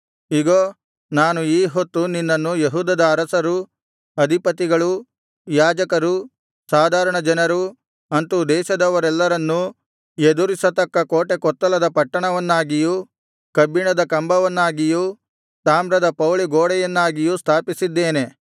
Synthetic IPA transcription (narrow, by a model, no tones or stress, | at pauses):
iɡoː | naːnuiːɦot̪ːuninːɐnːujeɦuːd̪ɐd̪ɐːɾɐsɐɾu | ɐd̪ʱipɐt̪iɡɐɭu | jaːd͡ʒɐkɐɾu | saːd̪ʱaːɾɐɳɐd͡ʒɐnɐɾu | ɐnt̪ud̪ɛːʃɐd̪ɐʋɐɾɛlːɐɾɐnːu | ed̪uɾisɐt̪ɐkːɐkoːʈe̞kɔt̪ːɐlɐd̪ɐpɐʈːɐɳɐʋɐnːaːɡiju | kɐbiɳɐd̪ɐkɐmbɐʋɐnːaːɡiju | t̪aːmɾɐd̪ɐpɐwliɡoːɽɛjɐnːaːɡijust̪ʰaːpisid̪ːeːne̞